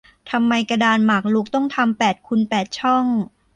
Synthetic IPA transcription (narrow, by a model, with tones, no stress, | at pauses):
t̪ʰa˧mːa˧jka˧daː˧nmaː˨˩k̚lu˦˥k̚t̪ɔ˥˩ŋt̪ʰa˧mpɛː˨˩t̪̚kʰu˧npɛː˨˩t̪̚t͡ɕʰɔ˥˩ŋ